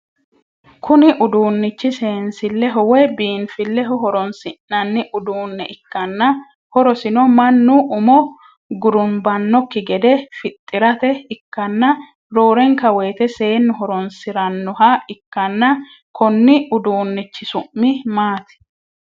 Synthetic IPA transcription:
kʊnɪʔʊd̪uːnːɪt͡ʃːɪse̞ːnsɪlːɛɦɔwɛbiːnfɪlːɛɦɔɦɔɾɔnsɪnːɐnːɪʔʊd̪uːnːɛʔɪkːɐnːɐ | hɔɾɔsɪnɔmɐnːʊʔʊmɔ | ɡʊɾʊnbɐnːɔkːɪɡɛd̪ɛfɪt̪ʼːɪɾɐt̪ɛɪkːɐnːɐ | ɾoːɾɛŋkɐwe̞ːt̪ɛse̞ːnːʊɦɔɾɔnsɪɾɐnːɔɦaɪkːɐnːɐ | kɔnːɪʊd̪uːnːɪt͡ʃːɪsʊʔːɪmaːt̪ɛ̥

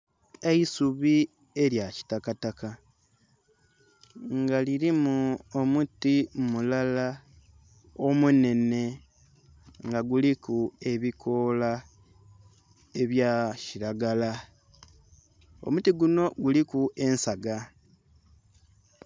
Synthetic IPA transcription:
e̞isuβi | e̞ɾjaci̥takataka | ŋɡaliɾimuomutimulala | o̞mune̞ne̞ | ŋɡaɡulikue̞βikʰo̞la | e̞βjaciɾaɡala | o̞̰mutiɡuno̞ɡulikuʔe̞nsaɡa

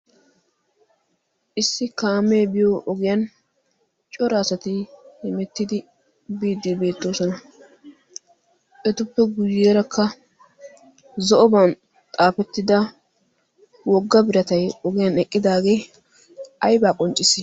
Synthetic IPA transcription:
ʔɪsːɪkaːmeːbɪjoʔɔɡɪjɐn | t͡ʃʼɔɾaːsɐt̪ɪhɪmɛt̪ːɪd̪ɪ | biːd̪ːɪbe̞ːt̪ːo̞ːsɔnɐ | ʔɛt̪ʊpːɛɡʊjeːɾɐkʰːɐ | zɔʔɔbɐn | t̪ʼaːfɛt̪ːɪd̪ɐ | wɔɡːɐbɪɾɐt̪ɐjɔɡɪjɐnɛkʼːɪd̪aːɡe̞ː | ɐjbaːkʼɔnt͡ʃʼːɪsɪ

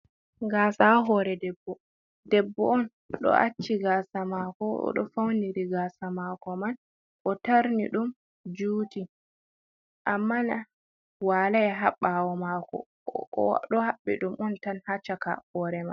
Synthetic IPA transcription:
ɡaːsaɦɔɾɛdɛbːɔ | dɛbːɔɔn | ɗɔ̰ʔat͡ʃːiɡasamakɔɔ̰ɗɔ̰fawniɾiɡasamakɔman | ʔɔtaɾnḭɗum | d͡ʒuːti | ʔamːana | walajɛɦaɓːawɔmakɔ̰ | ɗɔhaɓːḭɗumɔntanhat͡ʃːaka̰hɔɾɛma̰n

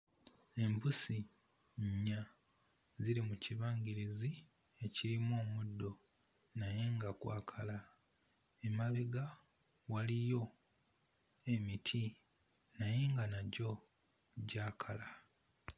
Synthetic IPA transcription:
e̞mpusi | ɲa | ziɾimuciβaːŋɡiɾizi | e̞ciɾimo̞ːmudːo̞ | naje̞ŋɡakwa̰ːkʰala | emaβiɡa | walijo̞ | e̞mitʰi | naje̞ŋɡanaɟo̞ | ɟaːkʰala

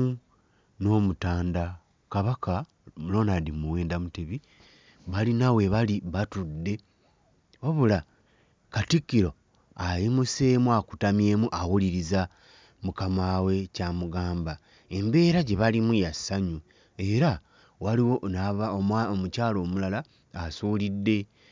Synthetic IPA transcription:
no̞ːmutaːnda | kaβaka | ulo̞ːnadimuweːndamuteβi | βalinawe̞βaliβatudːe̞ | waβula | katikːiɾo̞ | ajimuse̞ːmuaku̥tamje̞ːmuʔawuliɾiza | mukamaːwe̞caːmuɡaːmba | e̞mbe̞ːɾaɟe̞βalimujasaɲu | e̞ɾa | waliwo̞naβaomomucaːlo̞ːmulalaː | suːlidːe̞

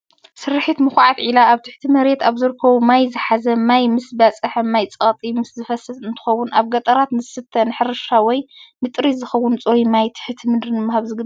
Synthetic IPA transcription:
sɨɾħit̪mɨxʕat̪ʕilaːβt̪ʰɨħt̪ʰimɐɾe̞t̪aβzɨɾɨkʰːɐβumajzɨħazɐmajmɨsbɐt͡sʼɨħɐmajt͡sʼɐt̪ʼimɨszɨfɐsɐzɨnt̪ʰɨ̥xɐwːʊnʔaβɡɐt̪ʼɐɾat̪nɨzɨsɨt̪ʰːɐnɨħɨɾɨʃawɔjmɨt̪ʼɾizɨxɐwːʊnt͡sʼojimajt̪ʰɨ̥ħt̪ʰimɨd̪ɾɨnɨmːahaβzɨɡɨ

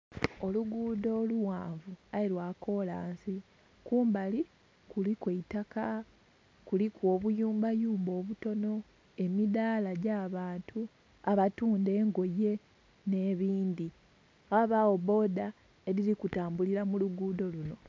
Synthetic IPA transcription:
o̞luɡuːdo̞ːluwaːɱvuailwaːko̞laːnsi | kuːmbali | kulikweitaka | kulikwo̞ːβujuːmbajuːmbo̞ːβuto̞no̞ | e̞miðaːlaɟaːβaːntʰu | aβatuːnde̞ːŋɡo̞je̞ | ne̞ːβiːndi | aaβawo̞βo̞ːda | e̞ɾilikutaːmbuliɾamuluɡuːdo̞luno̞

